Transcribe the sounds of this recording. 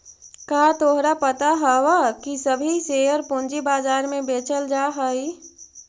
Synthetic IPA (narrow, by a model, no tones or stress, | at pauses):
kaːt̪oɦɾapət̪aɦɛwakisəbʱiseːjəɾpõːnd͡ʒibaːzaːɾmẽbeːt͡ʃəld͡ʒaːɦəi